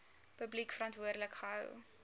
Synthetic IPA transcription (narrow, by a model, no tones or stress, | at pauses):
pəblikfəɾɐntvuərdələkχəɦə̰w